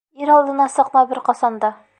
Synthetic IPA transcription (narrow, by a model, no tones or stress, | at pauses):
iɾɒlˠd̪ɤ̆nɑsɤ̆qmɑbɘɾqɒsɑnd̪ɑ